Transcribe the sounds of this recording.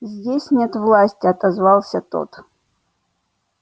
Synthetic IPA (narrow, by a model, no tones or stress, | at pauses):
zʲdʲesʲnʲet̪vlˠasʲtʲiɐt̪azvɑlˠsʲɐt̪o̰t̪